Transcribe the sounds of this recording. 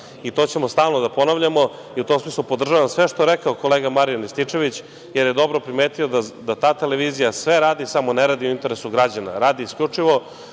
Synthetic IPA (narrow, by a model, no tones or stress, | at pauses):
it̪o̞t͡ɕe̞mo̞st̪aːlˠnod̪apo̞naʋʎamo̞ | iut̪omsmiːslˠupod̪r̩ʒaʋamsʋeʃt̪oeɾekaoko̞leːɡamaɾijanist̪it͡ʂe̞ʋit͡ɕ | jeɾjed̪o̞bɾo̞pɾimeːt̪io̞d̪ad̪at̪aːt̪eleʋiːzijasʋe̞ɾaːd̪isamoneɾaːd̪ioint̪e̞ɾesuɡɾad͡ʑana̰ɾaːd̪iiskʎʲut͡ʂiʋo̞